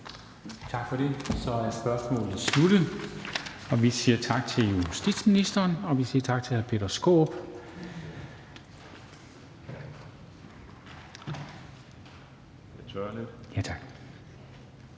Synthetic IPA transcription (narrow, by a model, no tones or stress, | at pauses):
t͡sʰɑ̈ɡ̥fɒ̽ɾ̥e̝sɒ̽æ̥sb̥ɶɐsmɔ̰ːl̩esluɾ̥ə | ɒ̽ʋisiːɐt͡sʰɑ̈ɡ̥̚t͡sʰe̝ljusd̥ḭːd̥sminisd̥ɐːnɒ̽ʋisḭːɐt͡sʰɑ̈ɡ̥̚t͡sʰe̝hæɐpʰe̝̰ːd̥ɐsɡ̥o̰ːb̥ | t͡sʰøled̥jæt͡sʰɑ̈ɡ̥